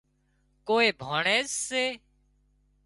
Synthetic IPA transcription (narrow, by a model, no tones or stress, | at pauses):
koːeːbʱaːɳeːzːeː